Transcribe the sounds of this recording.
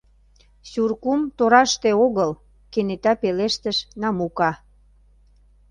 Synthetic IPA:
surkumt̪oɾɑʃt̪eoɣəl | kenet̪ɑpeleʃt̪əʃnɑmukɑ

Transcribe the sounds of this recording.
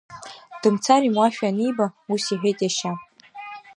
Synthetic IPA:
d̥ɨmt͡sʰaɾimwaʃᶣanijbausiħʷᶣejtʼjaʃa

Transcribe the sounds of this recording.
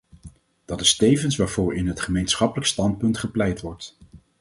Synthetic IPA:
d̥ɑtɪstejvənsʋaːɹv̥ʊːɹɪnɦətχəmejnsχɑpələkstɑnt̚pɵntχəplɛjtʋɔɹt

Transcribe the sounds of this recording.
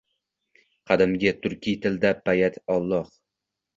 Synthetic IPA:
qʰɑd̪ɪmɡʲat̪ʰʊɾkʲʰijt̪ʰɪld̪apʰajat̪ɒlˠːɒh

